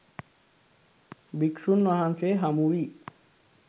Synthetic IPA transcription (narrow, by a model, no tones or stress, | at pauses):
bikʃunːaɦanseɦamuɾi